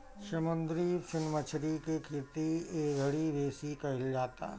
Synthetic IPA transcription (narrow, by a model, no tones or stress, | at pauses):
ʃɐmə̃nd̪ɾifɪnmət͡ʃʰɾikekʰeːt̪ieːɡʱəɽibeːsikɐɦɪld͡ʒaːt̪a̰ː